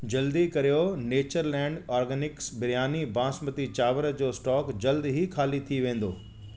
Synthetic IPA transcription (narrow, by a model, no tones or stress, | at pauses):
d͡ʑɐld̪ikɐɾijoneːt͡ɕəɾlɛ̃ːɳɖɔːɾɡɛnɪksbɪɾjaːnibãːsmət̪it͡ɕaːʋəɾəd͡ʑoːsʈɔːkd͡ʑɐld̪ɦikʰaːlit̪ʰiʋẽːn̆d̪o̰ː